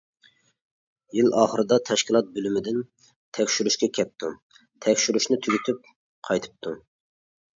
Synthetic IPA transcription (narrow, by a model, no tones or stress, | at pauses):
jilɑːχəɾɨd̪ɑt̪ʰɛʃkʲilˠɑt̪̚bølymɪd̪ɪn | t̪ʰɛkʲʃyɾyʃkʲɛkʲʰɛp̚t̪ʰu | t̪ʰɛkʲʃyɾyʃnɪt̪ʰyɡʲyt̪ʰyp̚ | qʰɑjt̪ʰɨ̥p̚t̪ʰu